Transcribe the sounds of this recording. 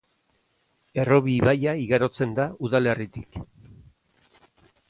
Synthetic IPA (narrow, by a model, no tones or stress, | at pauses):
e̞ro̞βiːβajaiɣaɾo̞t͡se̞nd̪auðale̞rit̪ik